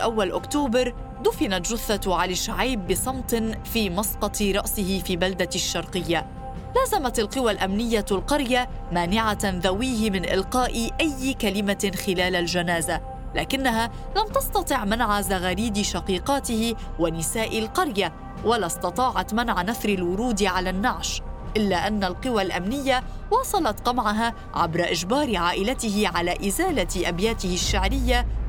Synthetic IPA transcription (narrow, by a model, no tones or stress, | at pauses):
ʔawːalʔʊkt̪oːbɑɾ | d̪ʊfɪnat̪ʒʊθːat̪ʕalaʃːaʕajbːɪsˤɑmt̪ˤɨnfiːmɑsqɑt̪ɾˤɑʔsɪhɪfiːbald̪aʃːɑɾˤqɨjːa | laːzamat̪alqɨwalʔamnɪjːalqɑɾja | maːnɪʕaðawiːɦɪmɪnʔɪ̰lqɑːʔɪʔajːkalɪmaxɪlaːlald͡ʒanaːza | la̰ːkɪnːaɦa | lamt̪ɑst̪ɑt̪ˤɨʕmanʕazaɣaːɾiːd̪ʃɑqiːqɑːt̪ɪhɪ | wanɪsaːʔɪlqɑɾja | walast̪ɑt̪ˤɑːʕɑt̪manʕanaθɾɪlwʊɾuːd̪ʕalanːaʕʃʔɪlːaʔanːalqɨwalʔamnɪjːa | wɑːsˤɑlɑt̪qɑmʕaɦa | ʕa̰bɾaʔɪʒbɑːɾʕaːʔɪlat̪ɪɦɪʕalaʔɪzaːlaʔabjaːt̪ɪhɪʃːaʕɾɪjːa